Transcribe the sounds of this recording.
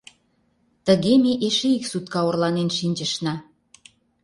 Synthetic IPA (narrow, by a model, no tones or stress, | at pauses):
t̪ə̆ɣemeʔeʃeiksut̪̚kɑorlɑnenʃinʲt͡ɕə̆ʃnɑ